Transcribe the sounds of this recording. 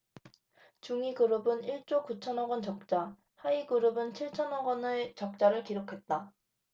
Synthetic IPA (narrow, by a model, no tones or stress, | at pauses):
t͡ɕuŋiɡɯɾɯbɯniɭt͡ɕ͈okut͡ɕʰʌnʌɡwʌnt͡ɕʌk̚t͡ɕ͈a | haiɡɯɾɯbɯnt͡ɕʰiɭt͡ɕʰʌnʌɡwʌnet͡ɕʌk̚t͡ɕ͈aɾɯɭkiɾokʰe̞t̚t͈a